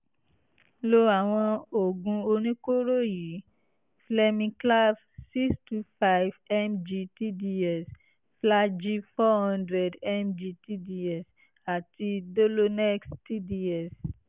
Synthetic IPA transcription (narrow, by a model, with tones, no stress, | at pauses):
lo˧a˨w̃ɔ̃˧o˨ɡũ˧o˧nĩ˦ko˦ɾo˦ji˨˦ | flɛ˧mĩ˧kla˦f | si˦kstu˧fa˦jvɛ˦md͡ʒi˧ti˦di˦ɛ˨s | fla˦d͡ʒi˦fɔ˦hɔ̃˦ndɾɛ˨dɛ˦md͡ʒi˧ti˦di˧ɛ˨s | a˨ti˧do˦lo˦nɛ˦ksti˦di˦ɛ˨s